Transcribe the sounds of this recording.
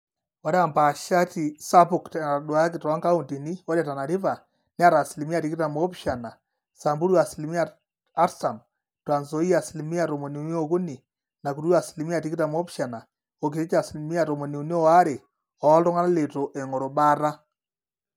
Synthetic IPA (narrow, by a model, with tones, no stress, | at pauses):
wa˨˦ɾa˨mba˨ʃa˦ti˨sa˦pu˨ktna˨dwa˦k̬i˨tɔ˨a˦ŋɡa˦u˨nti˨ni˦ɔ˦ɾe˦˨ta˨na˨ɾi˦βa˨ | ni˦a˦ɾa˨si˨li˨mi˦a˨ti˦ki˦ta˨mo˦pʃa˨na˨ | sa˨mbu˦ɾwa˨si˨li˨mi˦a˦˨ | a˦ɾsa˨m | twa˨nzo˦i˦a˨si˨li˦mi˦a˨ɾo˨mo˨ni˨u˨˦ni˦o˦ku˦ni˨ | na˨ku˨ɾwa˨si˨li˨mi˦a˦˨ti˦ki˦ta˨mo˦pʃa˨na˨ | o˨k̬i˨ɾi˦t͡ʃa˨si˨lmi˦a˨ɾo˨mo˨ni˨u˨ni˦ɔ˦wa˦ɾe˨ | ɔ˨˦ltɔ˦ŋa˦na˦le˨to˨ʔe˨ŋɔ˨ɾo˨ɓa˦ɾa˦